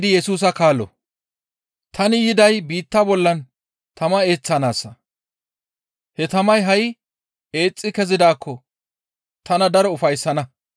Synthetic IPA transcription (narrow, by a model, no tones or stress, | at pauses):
d̪ɪjɛsuːs̬ɐkaːlːɔ̰ | t̪ʰɐnɪjɪd̪ɐjbiːt̪ːɐbɔlːɐn | t̪ʰɐmɐe̞ːt͡sːɐnaːsːɐ | hɛt̪ɐmɐjɦɐj | e̞ːt͡sʼːɪkɛzɪd̪aːkʰːɔ | t̪ɐnɐd̪ɐɾɔʊfɐjsːɐnɐ